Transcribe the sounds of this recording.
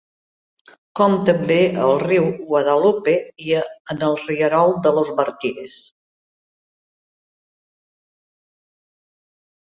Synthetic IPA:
kɔmt̪əmbeəlˠriwɣwəðəlupeiəənəlˠriəɾɔlˠd̪əlozβəɾt̪iɾes

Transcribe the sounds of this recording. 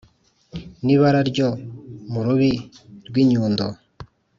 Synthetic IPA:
niβaɾaɾɟomuɾuβi | ɾɡwiɲuːndo

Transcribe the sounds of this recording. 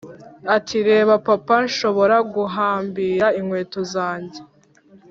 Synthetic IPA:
atʰiɾe̞ːβapapanʃo̞βo̞ɾaɡuɦaːmbiːɾaiŋwe̞ːtozaːɲɟe

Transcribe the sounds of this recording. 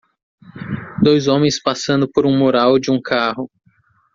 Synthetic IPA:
d̪ojzõmẽj̃spasɐ̃nd̪ʊpoɾũmoɾawd͡ʒɪũkʰaɦʊ

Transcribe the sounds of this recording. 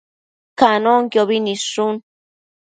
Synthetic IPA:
kanoŋkjoβinisʂun

